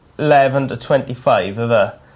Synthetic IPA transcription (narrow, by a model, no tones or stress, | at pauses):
ɪlɛvə̃ntʰətʰw̥ɛ̃ntifaɪvəðə